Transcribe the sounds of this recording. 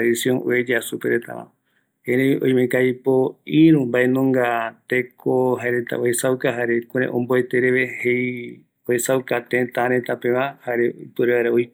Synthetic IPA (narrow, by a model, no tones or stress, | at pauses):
ðisjõŋʔo̰ed͡ʒasupeɾet̪a̰βã̰ | heɾẽĩʔõ̰j̃mẽkajpo̞ĩɾũmbaʔenõŋɡat̪ekʰoɦaeɾet̪a̰ohesawkaɦaɾe̞kũɾ̃ẽʔõ̰mboe̞t̪e̞ɾeʋe̞hej | ohesawkat̪ẽt̪ãɾẽ̞t̪apẽ̞ʋãhaɾeipɨɾeaɾeoj